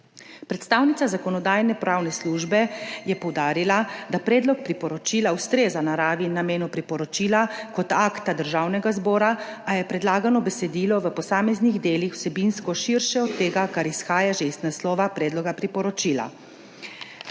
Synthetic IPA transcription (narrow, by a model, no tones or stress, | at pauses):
pɾɛt̪st̪aːwnit̪sazakɔnɔd̪aːjnɛpɾawnɛsluːʒbɛjɛpɔwd̪aːɾilad̪apɾɛːd̪lɔk̚pɾipɔɾɔt͡ʃiːlawst̪ɾeːzanaɾaːʋinameːnupɾipɔɾɔt͡ʃiːlakɔt̪akt̪ad̪əɾʒaːwnɛɡazbɔːɾaajɛpɾɛd̪laːɡanɔbɛsɛd̪iːlɔʋəpɔsaːmɛzniɣd̪eːlixw̥sɛbinskɔʃiɾʃɛɔt̪ːeːɡakaɾisxaːjaʒeiznaslɔːʋapɾɛːd̪lɔɡapɾipɔɾɔt͡ʃila̰